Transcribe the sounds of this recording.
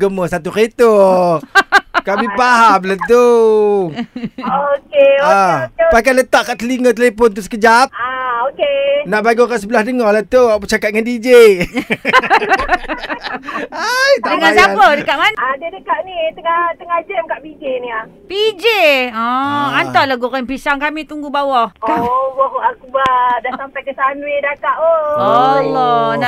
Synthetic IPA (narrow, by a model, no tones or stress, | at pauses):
ɡəməsat̪uket̪o | kaʔipaɦamlənt̪u | okeopakalət̪aʔkaʔt̪əliŋət̪əlepɔnt̪usə̥kəd͡ʒap̚aokenaʔbaɡokaʔsəbəlahdəŋɔlat̪uapət͡ʃakat̪̚ŋandid͡ʒe | ajt̪adəŋanjsapədəkaʔmanadiədəkaʔnit̪əŋat̪əŋad͡ʒəmkaʔpid͡ʒenia | pid͡ʒeɔ̃ant̪ɔlaɡukanpisaŋkamit̪uŋɡubawɔhkbɔkʔakubadasampakəsanuwedakaʔoɔlːɔa